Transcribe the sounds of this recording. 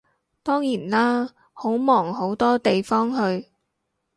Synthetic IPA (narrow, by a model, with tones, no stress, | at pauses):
t̪ɔː˥ŋjiː˨˩nlaː˥ | ho˨˥wmɔː˨˩ŋɦo˨˥wt̪ɔː˥t̪e˨jfɔː˥ŋɦɵ˧ɥ